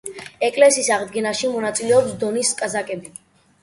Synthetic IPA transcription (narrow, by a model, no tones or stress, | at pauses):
ɛkʼlɛsiːsaʁd̪ɡɛnaʃimɔnat̪sʼilɛɔpsd̪ɔniskʼazakʼɛbi